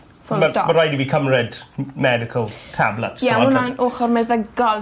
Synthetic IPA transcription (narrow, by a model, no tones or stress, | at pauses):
fʊlməɔməɾajdiviːkʰəmrɪdmɛdɪkʰəlˠtʰa̰blətsɛʊnanoːχɔɾmɛðəɡɔlˠ